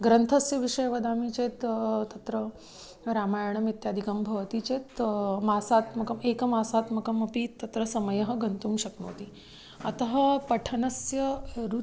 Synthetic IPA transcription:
ɡɾənt̪ʰɐsjɐʋiʂəjɐʋɐd̪amit͡ɕet̪t̪ɐt̪ɾə | ɾamajəɳ̃ɐmit̪jaːd̪ʱikɐmbʱɐʋt̪it͡ɕet̪masat̪mɐkɐmekmasaːt̪mɐkɐmɐpiːt̪ːɐt̪ɾəsɐməjɐɦɐ̆ɡʱənt̪uːmɕɐkno̰ːt̪iː | ɐt̪ɐɦɐpɐʈʰɐnɐsjɐɾu

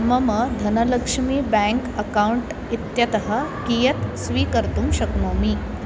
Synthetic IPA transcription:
mɐmɐd̪ʱɐnɐlɐkʂmiːbæ̃ŋkɐkauɳʈ | it̪jɐt̪ɐɦɐkijɐt̪sʋiːkəɾt̪uːmɕɐknoːmiː

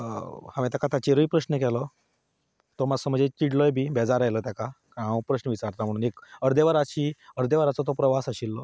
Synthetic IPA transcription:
hãmẽt̪̬jakat̪at͡ɕeɾipɾəɕnəkɛlɔ | t̪omad͡zsəməd͡ʑet͡ɕiʈlɔjbʱiːbɛd͡zaɾajlət̪jakakaãwpɾəɕnəʋit͡saɾt̪am̤əɽ̃uːnekəɾd̪eʋaɾat͡ɕiːəɾd̪eʋaɾat͡sɔt̪ɔpɾəʋasaɕilːɔ

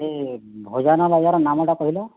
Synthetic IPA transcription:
ebʱozanɔbajzɔɾɔnamɔʈakɔɦilɔ

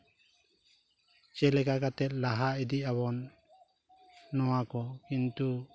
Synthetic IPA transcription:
t͡ʃɛlɛɡaɡat̪ɛt̪̚laɦaid̪iaβɔn | ɔwakɔkint̪u

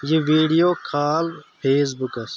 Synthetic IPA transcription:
jeʋiːɖijoːkʰaːlpʰeːs̬bukɐs

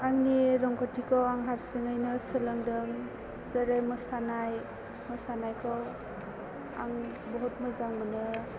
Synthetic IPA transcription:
aŋniɾɔŋkʰɔtʰikʰɔwaŋɦaɾsɯŋajnɯsɯlɯŋdɯŋ | zaɾɯmɯsanaj | mɯsanajkʰɔw | a̰ŋ | bɔɦɔt̚mɯzaŋmɯnɯ

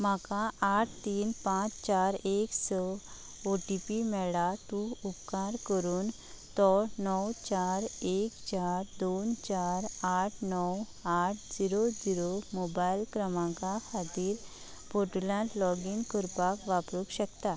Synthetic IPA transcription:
makaʔaʈ̚ʰt̪iːnpãt͡st͡ɕaɾeksɔ | oʈipimɛɭat̪uupkaɾkəɾuːn | t̪ɔnɔwt͡ɕaɾekt͡ɕaɾd̪ont͡ɕaɾaʈʰnɔw | aʈʰd͡ziɾod͡ziɾomobailkɾəmãkahat̪iːɾ | boʈulãʈlɔɡinkuɾpakʋapɾuːkɕəkt̪a

